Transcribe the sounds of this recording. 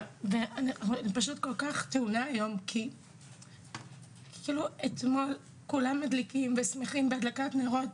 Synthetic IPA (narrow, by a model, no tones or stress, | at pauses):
veanaaχuanipaʃutko̞lkaχt̪eunaajo̞mkʰi | iluet̪mo̞l | kulamːadlikimvesmeχimbeadlakatneaʁo̞t